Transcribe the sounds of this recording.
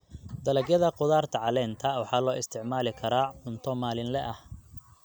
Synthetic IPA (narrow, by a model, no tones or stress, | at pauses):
d̪ɐlɐɡjɐðɐqʊðaːrt̪ʰɐʕɑlɛːnt̪ʰɐwɑħɑːlɔːʔɪst̪ʰɪʕmaːlɪkʰɐɾaːħʊnt̪ʰɔmaːlɪnlɛʔɐh